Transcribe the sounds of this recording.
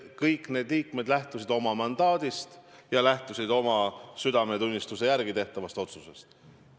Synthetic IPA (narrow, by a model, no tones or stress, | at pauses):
kɤjkˑne̞ːd̪liːkme̞d̪̥læht̪usid̪o̞mɑmɑnd̪̥ɑːd̪̥ist̪jɑlæht̪usʲid̪o̞mɑsyd̪ɑme̞t̪unʲːist̪use̞jærɡit̪e̞ht̪ɑvɑst̪o̞t̪susest̪